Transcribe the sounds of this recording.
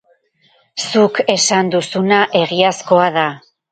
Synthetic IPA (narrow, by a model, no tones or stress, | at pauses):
suke̞sand̪usunaʔe̞ɣiasko̞aða